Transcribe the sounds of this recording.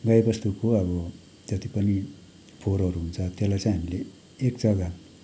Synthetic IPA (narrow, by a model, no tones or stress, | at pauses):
ɡʌjebʌst̪ukoʌβʌ | d͡zʌt̪ipʌni | pʰoɾʌɾuɦunt͡sʰʌt̪elajt͡sãj̃ɦʌmile | ekd͡zʌɡa